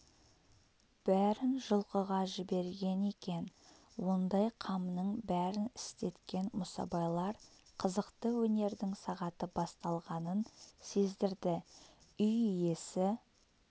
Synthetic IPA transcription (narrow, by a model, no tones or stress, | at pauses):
b̥æɾɪnʒʊlˠqəʁɑʒɪbe̞ɾɡʲe̞ne̞kʲe̞n | wo̞nd̪ɑjqʰɑmnəɴbæɾɪnɪst̪e̞t̪kʲe̞nmʊsɑ̰bɑjlˠɑɾqʰəzəqt̪əwɵne̞ɾd̪ɪŋsɑʁɑt̪əbɑst̪ɑlˠʁɑnənse̞zd̪ɪɾd̪ɪʏjʏje̞sɪ